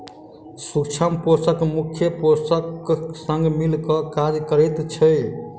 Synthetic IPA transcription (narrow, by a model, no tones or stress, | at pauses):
sukt͡ʃʰəmposəkmukʰjəposəksəŋɡmilkɔkad͡ʒkəɾɛt̪t͡ʃʰəj